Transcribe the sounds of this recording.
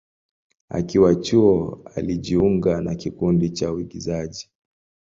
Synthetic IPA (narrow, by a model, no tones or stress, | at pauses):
a̰kiwat͡ʃuɔa̰liʄiuŋɡanakikundit͡ʃauiɡizaʄi